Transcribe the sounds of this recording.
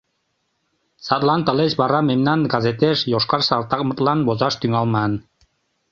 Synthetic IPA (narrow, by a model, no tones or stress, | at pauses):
sɑt̪lˠɑnt̪ə̆leʃbɑɾɑmemnɑnɡɑzet̪eʃjoʃkɑɾsɑlˠt̪ɑk̚mɤ̆t̪lɑnbozɑʃt̪yŋɑlˠmɑn